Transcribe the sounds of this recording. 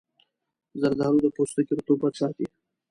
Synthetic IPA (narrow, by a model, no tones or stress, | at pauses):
zaɾd̪ɑɾud̪əpost̪əkiɾt̪obad̪sɑt̪i